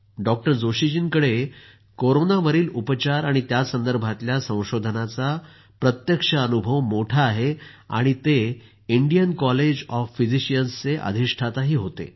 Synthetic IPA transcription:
ɖɔk̚ʈəɾd͡zoɕid͡ʑinkəɽe | koɾonaʋəɾiːlupət͡ɕaɾaɽ̃it̪jasənd̪əɾbʱat̪ljasə̃w̃ɕod̪ʱənat͡sa | pɾət̪jəkʂəənubʱəʋmoʈʰaːɦea̰ɽ̃it̪e | iɳɖijənkɔled͡ʑɔfːid͡ziɕijənst͡seʔə̰d̪ʱiʂʈʰat̪aɦiːɦot̪ḛ

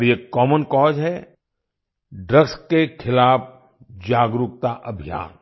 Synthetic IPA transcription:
ɾjekɔːmənkɔːd͡ʒɦɛ | ɖɾəɡskekʰɪlaːp | d͡ʒaːɡɾʊk̚t̪aʔɐbʱija̰ːn

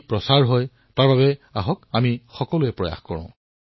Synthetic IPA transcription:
pɹɔsaɹɦɔj | taɹbabɛaɦɔkamixɔkɔlʊɛpɹɔja̰xkɔɹɔ̰̃ʊ̃

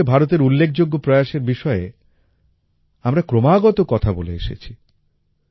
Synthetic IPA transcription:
ebʱaɾot̪̬eɾulːekʰd͡ʑoɡːopɾɔjaʃeɾbiʃɔe | amɾakɾomaɡɔt̪okɔt̪ʰaboleḛʃḛt͡ɕʰi

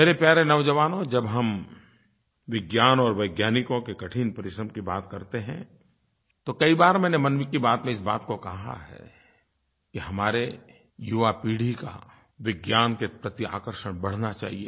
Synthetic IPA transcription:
meːɾepjaːɾenɐʊd͡ʒɐʋaːnõd͡ʒɐbɦɐm | ʋɪɡjaːnɔːɾʋɐɪɡjaːnɪkõkekɐʈʰiːnpɐɾɪʃɾəmkibaːt̪kɐɾt̪eɦɛ̰̃ | t̪okɐibaːɾmɛ̃ːnemɐnʋɪkːibaːt̪mẽɪsbaːt̪kokɐɦa̰ɦɛ̰ | kiɦɐmaːɾe | jʊʋapiːɽ̤ʱika̰ | ʋɪɡjaːnkepɾɐt̪ia̰ːkəɾʃəɽ̃bɐɽ̤nat͡ʃa̰ːɦie

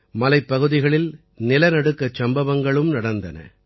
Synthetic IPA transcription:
mɐlɐɪpːɐɣɯðɪɣɐɭɪl | nɪlɐnɐɽɯkːɐt͡ʃɐmbɐʋɐŋɡɐɭɯmnɐɽɐnd̪ɐnɐ̰

